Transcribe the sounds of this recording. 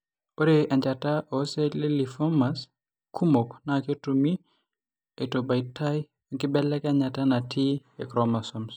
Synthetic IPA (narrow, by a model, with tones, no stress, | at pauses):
po˦ɾea˨ɲd͡ʒa˨ta˦ʔo˨se˦le˦li˨fɔ˦mas | kʰu˦mo˨knake˦tumi˦ | e˨to˨ba˨ɪtʰa˦j | kɪ˦bɛ˦lɛ˦ka˦ɲa˨ta˦na˨tʰi˦e˨kɾɔma˨sɔms